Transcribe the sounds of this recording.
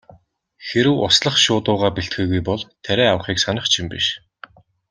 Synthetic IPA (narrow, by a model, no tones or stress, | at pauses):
xeɾɘ̆wʊsɮə̆χʃʊːt̪ʊːʁaːpiɬt̪̚ɡiːɣujpɔɮt̪ʰːæɾʲæːawə̆χiːksanə̆χt͡ɕʰimpḭʃ